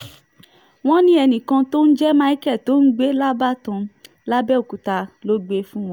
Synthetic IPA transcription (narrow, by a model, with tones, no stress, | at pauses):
w̃ɔ̃˦nĩ˦ɛ˧nĩ˨kã˧to˦n̩˦d͡ʒɛ˦mã˦i˨˦kɛ˦˨to˨˦n̩˦ɡ͡be˦la˦ba˦tã˧ | la˦bɛ˦o˨ku˨ta˧lo˦ɡ͡be˦fũ˦w̃ɔ̃˦